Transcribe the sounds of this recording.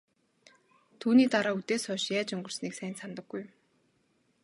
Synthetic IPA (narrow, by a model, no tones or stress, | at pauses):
t̪ʰuːniːt̪aɾaːut̪eːsɔːʃjæːt͡ɕɵŋɡɵ̆r̥sniːksæːjnsamt̪ə̆ɡːujm